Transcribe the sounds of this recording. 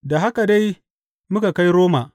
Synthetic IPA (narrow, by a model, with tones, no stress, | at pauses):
da˨ɦa˦ka˨da˦j | mʊ˦ka˨ka˦jɾoː˦ma˨